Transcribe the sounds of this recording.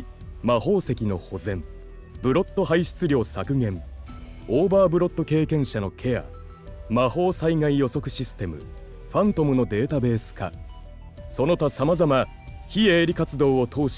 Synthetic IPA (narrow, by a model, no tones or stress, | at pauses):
maho̞ːse̞kʲino̞̰ho̞zẽ̞m | bɯ̟ɾo̞t̪ːo̞ɦaiɕi̥t͡sɨɾʲjo̞ːsakɯ̟ŋẽ̞m | oːbaːbɯ̟ɾo̞t̪ːo̞ke̞ːkẽ̞ɰ̃ɕano̞kʰe̞a̰ | maho̞ːsaiŋaijo̞so̞kɯ̟ɕisɨ̥t̪e̞mɯ̟̰ | ɸãnt̪o̞mɯ̟no̞d̪e̞ːt̪abe̞ːsɨ̥ka̰ | so̞no̞t̪asamazama | çieːɾʲikat͡sɨd̪o̞ːot̪ʰo̞ːɕ